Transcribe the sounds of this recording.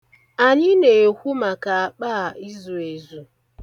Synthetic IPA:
a˨ɲɪ˦ne˨kʷu˦ma˨ka˨a˨k͡pa˦˨i˦zu˨e˨zu˨

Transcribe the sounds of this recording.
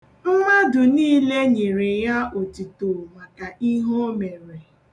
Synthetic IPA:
m̩˦ma˦dʊ˨niː˦le˦ɲe˨ɾe˨ja˦o˨ti˨to˨ma˨ka˨i˦ɦo˦me˨ɾe˨

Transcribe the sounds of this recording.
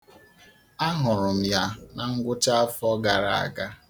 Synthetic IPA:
a˦ɦʊ˨ɾʊ˨m̩˨ja˦na˨ŋ̩˦ɡʷʊ˦ta˦a˦fɔ˦ɡa˨ɾa̰˨a̰˨ɡa˦

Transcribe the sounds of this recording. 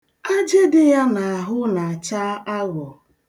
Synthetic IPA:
a˦d͡ʒe˦dɪ˦ja˦na˨a˨ɦʊ˦na˨a˨t͡ʃa˦a˦ɡʷɔ˨

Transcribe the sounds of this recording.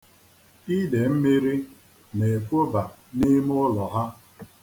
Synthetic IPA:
i˦de˨m̩˦mi˦ɾi˦ | ne˨fo˦ba˨ | ni˦m˦ʊ˦lɔ˨ɦa˦

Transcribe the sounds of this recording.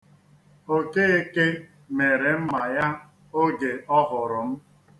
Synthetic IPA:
o˦ke˦e˦ke˦ | me˨ɾe˨m̩˦ma˨ja˦ | o˦ɡe˨ʔɔ˦ɦʊ˨ɾʊ˨m̩˦

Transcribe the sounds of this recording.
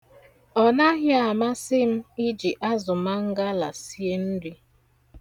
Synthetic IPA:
ɔ˨na˦ɦja˨ma˦sɪ˦m̩˦i˦d͡ʒi˨ʔa˦zʊ˨ma˦ŋ̩˦ɡa˦la̰˨si˦e˦n̩˦di˦

